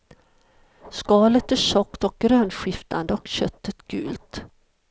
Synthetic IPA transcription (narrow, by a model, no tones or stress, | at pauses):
skɑːlət̪æʂɔkt̪ɔk̚ɡɾøːnɧɪft̪a̰nd̪əɔkɕœt̪ːət̪ɡʉ̟̰ːlt̪